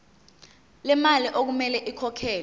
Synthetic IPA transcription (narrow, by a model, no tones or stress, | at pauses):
lɛmaliʔok̬umɛlɛʔikʰɔkʰɛːl